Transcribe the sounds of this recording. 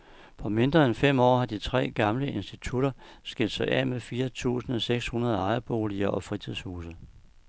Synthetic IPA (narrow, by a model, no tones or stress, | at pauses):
pʰɒ̽me̝nd̥ʁɐːenfem̰ɒ̰ːhɑ̈d̥it͡sʰʁɛ̰ːɡ̥ɑ̈mləe̝nsd̥it͡sʰuɾ̥ɐsɡ̥eld̥sɑ̈ɪʔɛ̰mefiːɐt͡sʰṵːsn̩ɒ̽seɡ̥shunɐð̞ˠɑ̈ɪɐb̥o̝ːliɐʔɒ̽fʁit͡sʰiðˠshuːsə